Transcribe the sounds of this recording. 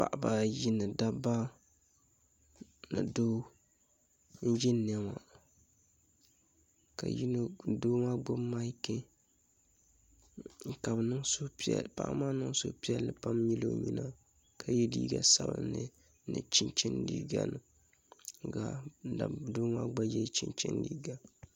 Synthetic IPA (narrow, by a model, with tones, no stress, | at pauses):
pa̰˨ʔba˨ji˦nɨ˨da˦ba˦ | nɨ̰˨do˦ | n̩˦d͡ʒɛ˦nɛ˦ma˨ | ka˨ji˦no˦doː˦maː˦ɡ͡bʊ˦mːa˦ke˦˨ | ka˨bnɨ˦ŋso˦ppa̰˦ʔma˦nɨ˦ŋ˦so̰˦pi˦ɛ˦lːɨ˨pa˦mji˦lo˦ɲi˦na˦ | kʰa˨jɛ˦diː˦ɡa˨sa˦ba̰˦nɨ˦ | nɨ̰˨t͡ʃi˦nt͡ʃɛ˦ndḭː˦ɡa˦nɨ˨ | ɡa˨da˨doː˦ma˦ɡ͡ba˦jɛ˦t͡ʃi˦nt͡ʃɛ̰˦ndi˦ɡa˦